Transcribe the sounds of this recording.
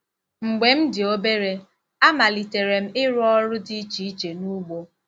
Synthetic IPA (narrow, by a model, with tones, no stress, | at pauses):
ŋ͡m̩˨ɡ͡be˨m̩˦dɪ˨o˦be˦ɾe˨ | a˦ma˨li˨te˨ɾe˨m̩˦ɪ˦ɾʊ˦ɔ˦ɾʊ˦di˦t͡ʃi˦i˦t͡ʃe˨nu˦ɡ͡bo˦